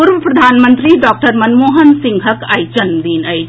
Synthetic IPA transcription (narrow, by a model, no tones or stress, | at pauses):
uɾʋəpɾɐd̪ʱaːnmə̃nt̪ɾiɖɔːk̚ʈəɾmɐnmoːɦənsĩŋɡʱɦəkajt͡ʃənmd̪iːnəj